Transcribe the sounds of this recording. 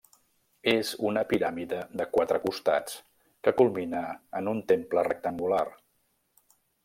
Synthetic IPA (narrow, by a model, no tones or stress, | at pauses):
ezunəpiɾamiðəðəkwat̪ɾəkust̪a̰t͡s | kəkulˠminəːnunt̪emplərək̚t̪əŋɡular